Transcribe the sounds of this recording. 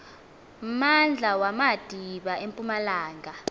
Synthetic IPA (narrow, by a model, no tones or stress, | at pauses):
mand͡ɮʱawamad̥ʱiɓaʔempʼumalaːŋʱa